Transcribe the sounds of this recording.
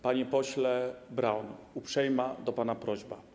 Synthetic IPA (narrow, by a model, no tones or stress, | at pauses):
paɲɛpɔɕlɛbɾawnupʂɛjmad̪ɔpanapɾɔʑba